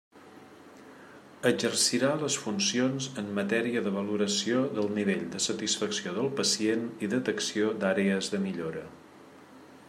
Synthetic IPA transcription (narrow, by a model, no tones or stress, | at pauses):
əd͡ʒərsiɾaləsfunsionzəmːət̪ɛɾiəðəβəluɾəsioðəlˠniβeʎd̪əsət̪isfəksioðəlˠpəsieniðət̪əksiod̪aɾeəzðəmiʎoɾə